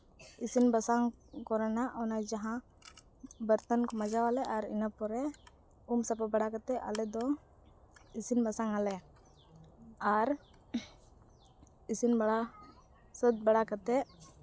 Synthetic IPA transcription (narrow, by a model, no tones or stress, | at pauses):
isinbasaŋkɔɾɛnaʔʔɔnad͡ʒaɦã | bəɾt̪ənkɔmad͡ʒawalɛʔaɾḭnapɔɾɛ | umsapabaɽakat̪ɛʔa̰lɛd̪ɔ | isinbasaŋalɛ | aɾ | isinbaɽa | səd̪̚baɽakat̪ɛ